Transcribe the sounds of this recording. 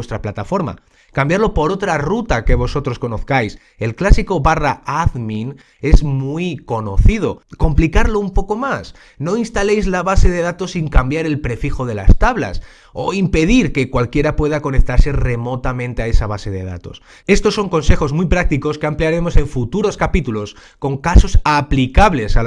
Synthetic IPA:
st̪ɾaplat̪afo̞ɾma̰ | kambjaɾlo̞po̞ɾo̞t̪ɾarut̪ake̞β̞o̞so̞t̪ɾo̞sko̞no̞θkajs | e̞lklasiko̞βaraaðmĩn | e̞zmuiko̞no̞̰θið̞o̞ko̞mplikaɾlo̞umpo̞ko̞mas | no̞inst̪ale̞jzlaβase̞ð̞e̞ð̞at̪o̞sːiŋkambjaɾe̞lpɾe̞fixo̞ð̞e̞la̰st̪aβla̰s | o̞̰impe̞ð̞iɾke̞kwalkje̞ɾapwe̞ð̞ako̞nek̚t̪aɾse̞re̞mo̞t̪amẽ̞nt̪eae̞saβ̞ase̞ðe̞̰ð̞a̰t̪o̞̰s | e̞st̪o̞sːo̞ŋko̞nse̞xo̞zmujpɾak̚t̪iko̞skeampliaɾe̞mo̞se̞ɱfut̪uɾo̞skapit̪ulo̞s | ko̞ŋkaso̞saplikaβle̞sa

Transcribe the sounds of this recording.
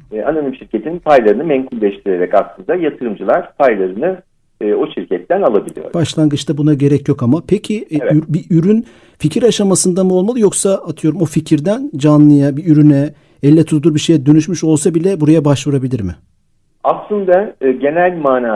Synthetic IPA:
ananɯmʃiɾcʰet̪ʰinnpʰajlˠaɾɯnɯmɛmkʰulʲːɛʃt̪ʰiɾeɾɛcaslˠɯnd̪ajat̪ʰɯɾɯmd͡ʒɯlˠaɾ̥pʰajlˠaɾɯnɯː | o̞ʃiɾcʰɛt̪ːænalˠabilʲḭjo̰ɾbaʃlˠaŋɡɯt͡ʃt̪abunaɟe̞ɾɛcjo̞kamapʰɛcʰiyɾbiʔyɾyn | ficʰiɾaʃamasɯnd̪amuolˠmalˠɯjo̞ksaat̪ʰɯjo̞ɾumo̞ficʰiɾd̪ænd͡ʒanlˠɯjabiyɾynɛ | ɛlʲːɛt̪ʰut̪ʰd̪uɾbiʃe̞jɛd̪ø̞nyʃmyʃo̞lˠsabilʲɛbuɾajabaʃvuɾabilʲiɾmɪ | aslˠɯnd̪aɟe̞nælʲmaːnaː

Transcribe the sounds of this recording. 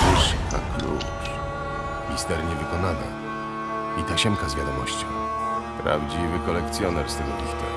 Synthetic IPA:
iʂka̰klṵ | ʂ | xʲist̪ɛɾɲɛvɘkɔnana̰ | it̪aɕɛmkazvʲjad̪ɔmɔɕt͡ɕɔ̰̃ | pɾa̰vd͡ʑivɘkɔlɛkt̪sʲjɔnɛɾst̪ɛɡɔd̪ʲixt̪a

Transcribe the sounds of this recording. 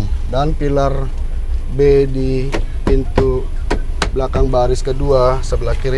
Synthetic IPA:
mdanpilar | bedi | pint̪u | blakaŋbaɾɪskəduasəbəlakiɾ

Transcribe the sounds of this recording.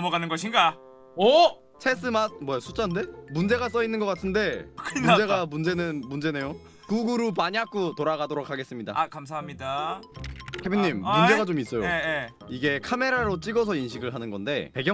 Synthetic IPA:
mʌɡanɯnɡʌɕʰinɡa | ʌ | t͡ɕʰe̞s͈ʰɯmat̚mwʌjasʰu̥t͡ɕ͈ande̞mund͡ʑe̞ɡas͈ʌinːɯnɡʌk͈atʰɯnde̞kʰmund͡ʑe̞ɡamund͡ʑe̞nɯnmund͡ʑe̞ne̞jo | kuɡuɾupaɲiɦak͈otoɾaɡadoɾokʰaɡe̞s͈ɯmɲida̰kams̬ʰaɦamɲida | kʰebiɲɲimːund͡ʑe̞ɡat͡ɕomis͈ʌjoe | iɡe̞kʰame̞ɾaɾot͡ɕ͈iɡʌs̬ʰʌinɕʰiɡɯɭɦanɯnɡʌnde̞peɡjʌ

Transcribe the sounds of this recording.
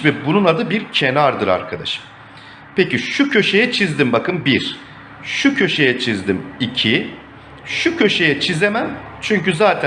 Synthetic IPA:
vɛbununad̪ɯbiɾcʰe̞naɾd̪ɯɾa̰ɾkʰad̪a̰ʃɯ̥m | peciʃucʰø̞ʃe̞jɛt͡ʃʰizd̪imbakɯmbiɾ̥ | ʃucʰø̞ʃe̞jɛt͡ʃʰizd̪imicʰi | ʃucʰø̞ʃe̞jɛt͡ʃʰizemæmt͡ʃʰyɲcyzaːt̪ʰæ

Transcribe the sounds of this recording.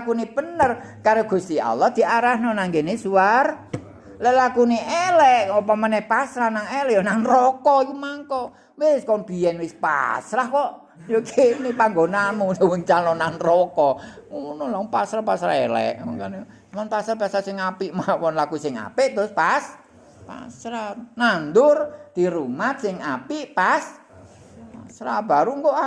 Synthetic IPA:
kunib̥ənər | kaɾoɡ̥ṳst̪ia̰lɔhd̪̥i̤ʔaɾahnɔnaŋɡenesuar | lɛʔlakuniʔɛlɛʔopɔmanɛhpasɾahnaŋɛlɛʔjonaŋrɔkɔjumaŋkɔ | weskanb̥i̤ɛnwɪspa̰sɾahkɔʔ | jokenipaŋɡonamusowuŋt͡ʃalɔnanrɔkɔ | unɔlaŋpasɾahpasɾa̰ɛlɛ̰ʔɔŋkan | manpasɾahpasɾasɪŋapiʔmawɔnlakusɪŋa̰pɪʔt̪ɾʊspas | pa̰sɾanand̪ʊrd̪̥iɾumat̪̚sɪŋapiʔpas | pasɾab̥a̤ɾuŋkoʔa

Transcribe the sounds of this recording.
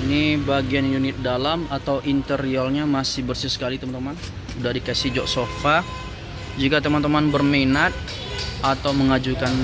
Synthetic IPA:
inibaɡianjunɪt̪̚dalamat̪awʔint̪əɾiɔlɲamasɪhbərsisə̥kalit̪əmant̪əman | udahdikasid͡ʒɔʔsofa | d͡ʒikat̪əmant̪əmanbərmenat̪̚ | at̪awməŋad͡ʒukan

